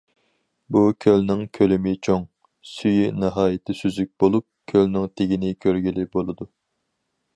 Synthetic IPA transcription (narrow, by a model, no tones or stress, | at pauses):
bukʲʰølnɪŋkʲʰølymɪt͡ʃʰoŋ | syjynɨɦɑːjɪt̪ʰɪsyzyk̚ʲbolˠup̚kʲʰølnɪŋt̪ʰeɡʲinɪkʲʰøɾɡʲilɪbolˠɨd̪u